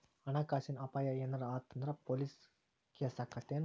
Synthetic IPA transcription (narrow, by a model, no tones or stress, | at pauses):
ɐnaːkaːsinɐpːaːjajenɐɾaːt̪ːɐnd̪ɾɐpolis | kiɐsɐkːɐt̪ːen